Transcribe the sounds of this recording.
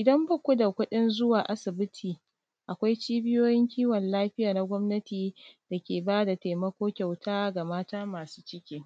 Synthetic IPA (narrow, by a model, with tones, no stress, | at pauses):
ʔɪ˨dɐ˦mbɐ˦kʷʊ˦da˨kʷʊ˦ɗɪ˦nzʊ˦waː˨ʔa˦sɪ˨bɪ˦tʰiː˨ | ʔa˨kʷa˦jt͡ʃiː˦bɪ˦joː˦jɪ˦ŋkʲiː˦wɔ˨nlaː˦ɸɪ˦jaː˨na˦ɡʷɔ˦mnɐ˦tiː˨d̥a˨kʲeː˨baː˦da˨ta˨jmɐ˦kʷoː˦kʲa˨wtʰaː˦ɡa˨maː˦taː˦maː˨su̥ː˦t͡ʃɪ˦kʲiː˦